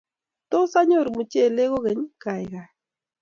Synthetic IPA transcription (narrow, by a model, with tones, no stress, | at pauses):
to˦sa˦ɲo˦˨ɾmu˨t͡ʃe˦˨le˦ɣo˦ɣe˨˦ɲ˦ka˨jɣa˨